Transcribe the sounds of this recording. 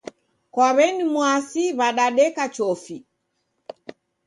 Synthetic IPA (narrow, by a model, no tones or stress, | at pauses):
kwaβɛnimwasiβaɗaɗɛkat͡ʃɔfi